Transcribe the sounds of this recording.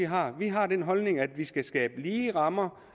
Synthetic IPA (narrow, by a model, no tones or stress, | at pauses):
iɦɑ̈ʋiɦɑ̈d̥en̰ɦɒ̽lne̝ŋæd̥ʋisɡ̥æsɡ̥ɛ̰ːb̥əliːʁɑ̈mɐ